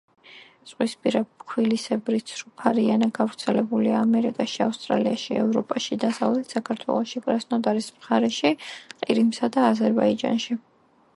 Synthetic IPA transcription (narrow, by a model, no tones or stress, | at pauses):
t̪sʼqʼwispʼiɾabkʰwilisɛbɾisʰɾupʰaɾianaɡavɾt̪sʰɛlɛbuliaːmɛɾikʼaʃiafst̪ʼɾa̰liaʃiɛ̰vɾɔpʼaʃid̪asavlɛt̪ʰsakʰaɾt̪ʰwɛ̰lˠɔʃipʼɾasnɔd̪aɾismχaɾɛʃiqʼiɾimsad̪aːzɛɾbaid͡ʒa̰nʃi